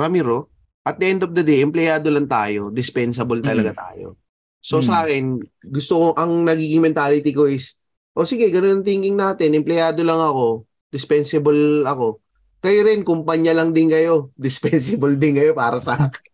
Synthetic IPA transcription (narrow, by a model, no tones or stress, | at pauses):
ɾɐmiɾo | ʔɐt̪̚d̪ɛʔɛnd̪ofd̪ɐd̪ɛjʔɛmplɛjaːd̪o̞lɐŋt̪a̰ːjo̞d̪ɪspɛnsɐbolt̪ɐlɐɡat̪a̰ːjo̰ | so̞sɐaːkɛnɡʊst̪okoʔɐŋnɐɡiːɡɪŋmɛnt̪aːlɪt̪iko̞ʔɪs | ʔo̞sɪɡɛɡɐnonɐŋt̪iŋɡɪŋnaːt̪ɪnɛmplɛjaːd̪o̞lɐŋɐko̞ | d̪ɪspɛnsɪbolɐko̞ | kɐjoɾɪnkʊmpɐɲjɐlɐŋd̪ɪnkɐjo̞d̪ɪspɛnsɪbold̪ɪnkɐjo̞paːɾɐsaːkɪn